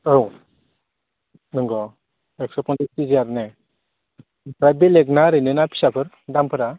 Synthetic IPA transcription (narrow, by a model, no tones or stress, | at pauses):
ɯw | nɯŋɡɔ | ɛksɔpʰɔntitizijaɾne | bɾabileɡnaɾɯnenapʰi̥sapʰɯɾ | dampʰɯɾa